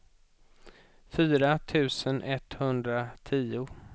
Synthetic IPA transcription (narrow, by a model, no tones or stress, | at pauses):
fyːɾat̪ʰʉ̟ːsənʔɛt̪hɵnd̪ɾat̪ʰiːʊ